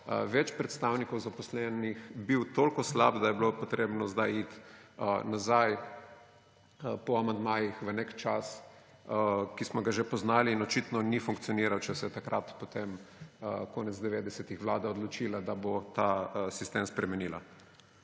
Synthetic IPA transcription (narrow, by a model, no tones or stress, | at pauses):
əʋɛt͡ʃpɾɛt̪st̪awnikɔwzapɔslɛnixbiwt̪olkɔslabd̪ajɛbilopɔt̪ɾeːbnɔzd̪ajit̪ | nazaj | pɔamand̪maːjixʋənekt͡ʃas | kismɔɡaʒepɔznaːliːnɔt͡ʃit̪nɔnifuŋkt̪sijɔniːɾawt͡ʃɛsɛjt̪akɾʔat̪pot̪eməkoːnɛt̪zd̪ɛʋeːd̪ɛsɛt̪ixʋlaːd̪aɔd̪lɔt͡ʃiːlad̪abot̪asist̪emspɾɛmɛniːla